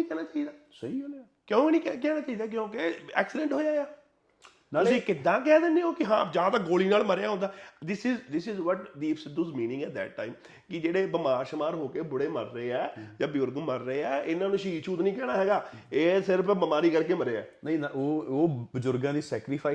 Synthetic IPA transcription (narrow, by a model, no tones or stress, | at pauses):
ĩːkɛːnaːt͡ʃaːiːd̪aː | səiːõː | kjõːknĩːkɛk̬ɛːnaːt͡ʃaːiːd̪aːk̬jõːkeɛ̰ːksɪɖə̃ɳʈɦoːjaːjaː | nːʊsĩːkɪd̪ːãːkɛːd̪ɪnːeːoːkɪɦã̰ːd͡ʒaːt̪aːɡoːliːnaːlməɾejaːɦõnd̪aːd̪ɪsɪːzd̪ɪsɪːzʋɔʈd̪iːpsɪd̪uːzmĩːnɪ̃ŋɡɛːʈ̚d̪ɛ̰ːʈ̚ːa̰ːɪm | kɪd͡ʒeːɽeːbəmaːʃəmaːɾɦoːkeːbʊɽeːməɾːəeːɛːd͡ʒãːbɪjʊɾɡməɾːəeːɛːɪnːãːnũːʃiːʃʰuːt̪nĩːkɛːɽ̃aːɦɛːɡaː | eːsɪɾəpbəmaːɾiːkəɾkeːməɾeːɛ̰ːnəĩːnoːoːbəzʊɾɡãːd̪iːsɛːkɾɪːpʰaː